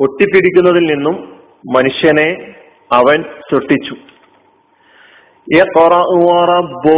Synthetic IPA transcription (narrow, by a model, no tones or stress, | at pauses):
o̞ʈːipːiɽikʲːunːɐðilninːumː | ɐnuʂjɐne̞ | ɐʋɐnsuʈːit͡ɕːu | eːqorɐuʋaːrɐbo